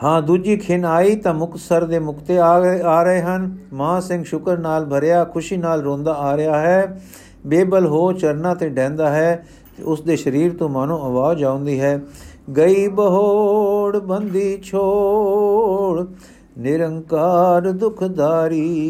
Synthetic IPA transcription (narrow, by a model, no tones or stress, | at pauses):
ɦãːd̪uːd͡ʒiːkʰɪnaːiːt̪ãːmʊkt̪səɾd̪eːmʊkt̪eːaaːɾəɦeːɦənmãːsɪ̃ŋɡʃʊkəɾnaːlbʱəɾeaːkʰʊʃiːnaːlɾõːnd̪aːaːɾɪjaːɦɛː | beːbəlɦoːt͡ʃəɾnãːt̪ẽːɖɛ̃ːnd̪aːɦɛː | t̪ḛʊsd̪eːʃəɾiːɾt̪õːmaːnũːəʋaːd͡ʒãːʊ̃nd̪iːɦɛːɡəiːbəɦoːɽbənd̪iːt͡ʃʰoː | ɽ | nɪɾəŋkaːɾd̪ʊkʰd̪aːɾiː